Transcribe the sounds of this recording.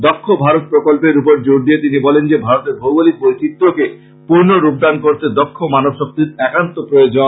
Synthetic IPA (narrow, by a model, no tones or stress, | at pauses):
d̪ɔkʰːobʱaɾot̪̚pɾokolpeɾupoɾd͡ʑoɾd̪iet̪inibɔlend͡ʑebʱaɾot̪eɾbʱowbalik̚bojt̪it̪ːoke | puɾnoɾub̚d̪ankoɾt̪ʰed̪ɔkʰːomanobʃok̚t̪iɾɛkant̪opɾojod͡ʑo